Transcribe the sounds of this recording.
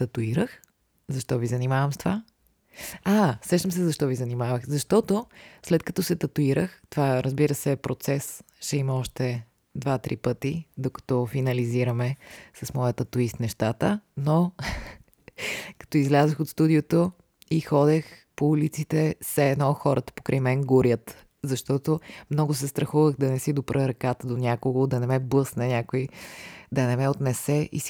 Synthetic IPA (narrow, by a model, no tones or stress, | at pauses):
t̪ɐt̪uiɾəx | zɐʃt̪ɔvizɐnimavəmst̪ova | asɾɛʃt̪əmsɛzɐʃt̪ɔvizɐnimavəxzɐʃt̪ɔt̪oslɛt̪̚kɐt̪ɔsɛt̪ɐt̪uiɾəxt̪ovaɾəzbiɾəsɛpɾot̪sɛs | ʃɛimɐɔʃt̪ɛ | d̪vat̪ɾipɤt̪id̪okɐ̥t̪ɔfinɐliziɾəmɛsɐsmɔjət̪ɐt̪uist̪nɛʃt̪at̪əno | kɐ̥t̪ɔizlʲazəxot̪st̪ud̪iot̪o | ixɔd̪ɛx | poulit̪sit̪ɛsɛːnɔxɔɾʔət̪ə̥pokɾʔɛjmɛnɡuɾjət̪ | zɐʃt̪ɔt̪omnɔɡʊsɛst̪ɾɐxuvəxd̪ɐnɛsid̪opɾʔəɾɐkat̪əd̪onʲakoɡʊd̪ɐnɛmɛblˠɤsnɛnʲakoid̪ɐnɛmɛot̪nɛsɛʔḭs